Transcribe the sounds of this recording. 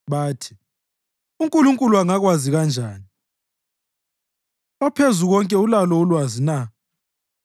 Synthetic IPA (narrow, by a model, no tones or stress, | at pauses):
βaːtʰi̥ | uŋkʼuluŋkʼuluaŋaɣwaziɣand͡ʒʱaːni | ɔpʰezuɣɔŋkʼɛulalɔwulwazina